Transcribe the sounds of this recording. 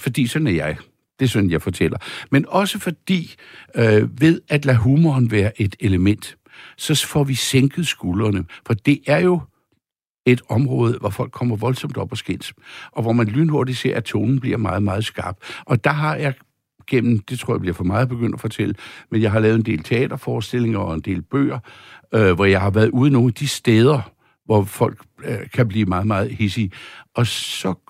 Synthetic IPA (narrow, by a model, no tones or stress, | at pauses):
fɒ̽d̥ḭːsɒ̽d̥n̩æjɑ̈ɪ | d̥e̝sɒ̽d̥n̩jɑ̈ɪfɒ̽t͡sʰel̰ɐmenɒ̽səfɒ̽d̥ḭː | ʋe̝ðˠæd̥læɦuːmɒːnʋæːɐʔe̝d̥eləmen̰d̥ | sɒ̽fɒʋiseŋɡ̥ð̩ˠsɡ̥uːlɐnəfɒ̽d̥e̝ʔæɐjo̝ | e̝d̥ɒ̽mʁɔːð̞ˠʋɒfɒ̽l̰ɡ̥kʰːɒ̽m̰ɐʋɒ̽lsɒ̽md̥ɒ̽b̥ɒ̽sɡ̥en̰sʔɒ̽ʋɒmænlyːnho̝ɐdiseɐ̰æt͡sʰoːnn̩b̥liɐ̰mɑ̈ːð̞̩ˠmɑ̈ːð̞̩ˠsɡ̥ɑ̈ːb̥ʔɒ̽d̥ɑ̈ɦɑ̈jɑ̈ɪ | ɡ̥en̰m̩d̥e̝t͡sʰʁo̝ɐ̰jɑ̈b̥liɐfɒ̽mɑ̈ːð̩ˠb̥e̝ɡ̥øn̰d̥æfɒ̽t͡sʰel̰əmenjɑ̈ɪɦɑ̈lɛːʊð̩ˠend̥e̝̰ːlt͡sʰe̝ɛ̰ːd̥ɐfɒːsd̥e̝le̝ŋɐɒ̽e̝nd̥e̝̰ːlb̥ø̰ːɐ | ʋɒjɑ̈ɪhɑ̈ʋæɐð̩ˠuːð̩ˠno̝ːŋæd̥isd̥eːð̞ˠɐ | ʋɒfɒ̽l̰ɡ̥kʰːæb̥liːmɑ̈ːð̞̩ˠmɑ̈ːð̞̩ˠhesiʔɒ̽sɒ̽